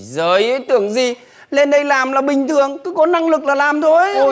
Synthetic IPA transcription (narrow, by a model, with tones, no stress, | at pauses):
zəː˨˦jʔə˨˦jt̪ɨ˧˩əŋzi˨˩ | le˧nɗə˧jlaː˨˩mlaː˨˩ɓï˨˩ŋ̟t̪ʰɨ˨˩˨əŋkɨ˨˦kɔ˨˦na˧ŋlɨ˨˩k̚laː˨˩laː˨˩mt̪ʰo˧